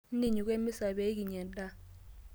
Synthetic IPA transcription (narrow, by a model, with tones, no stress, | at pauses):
ndi˨ɲu˨k̬we˦mi˦sa˨ɓe˦k̬i˨ɲɛ˨n˦da˦